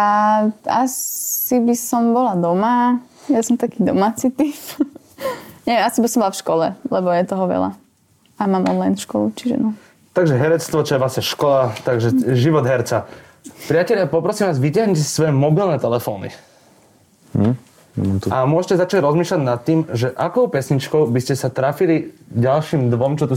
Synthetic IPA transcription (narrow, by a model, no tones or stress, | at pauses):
aasibisɔmbɔlad̪ɔma | jasɔmt̪akiːd̪ɔmaːt͡sit̪if | ɲɛʋɛmasibisɔmbɔlafʃkɔlɛ̰lɛbɔjɛt̪ɔɦɔʋɛ̰la̰ | amaːmʔɔ̰nlajnfʃkɔlut͡ʃiʒɛ̰nɔ | t̪aɡʒɛɦɛɾɛt͡st̪ʋɔt͡ʃɔjɛʋlasɲɛʃkɔlat̪aɡʒɛʒiʋɔd̪ɦɛɾt͡sa | pɾɪacɛʎapɔpɾɔsiːmʋaːzʋicaɦɲucɛsi̥sʋɔjɛmɔbilnɛːt̪ɛlɛfɔ̰ːnḭ | t̪amʊɔʒɛcɛzat͡ʃaɟɾɔzmiːʃlaɟnat̪ːiːmʒɛʔakɔʊpɛsɲit͡ʃkɔʊbiscɛsat̪ɾafiliɟalʃiːmd̪ʋɔmt͡ʃɔt̪u